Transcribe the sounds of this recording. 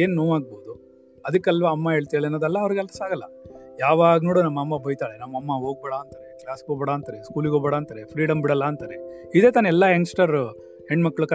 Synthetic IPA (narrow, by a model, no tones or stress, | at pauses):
eːnnoːʋaːɡ̚boːd̪u | ɐd̪ɐkːɛlʋɐɐmːɐɦe̞ːɭt̪ieːɭenːoːd̪ɐlːɐːʋɾiɡɐlːɐsaːɡɐlːɐjaːʋaːɡɐnoːɽunɐmːɐɐmːɐbʱɐjt̪aːɭenɐmːɐmːɐɦoːɡ̚bɛːɽaːnt̪aːɾeklaːsɡoːbɐɽaːnt̪aːɾeskuːliɡobɐɽaːnt̪aɾepʰɾiːɽɐmbiɽɐlːɐːnt̪aːɾe | id̪eːt̪aːnɛlːaensʈɐɾ | heɳɖmɐkːɭuk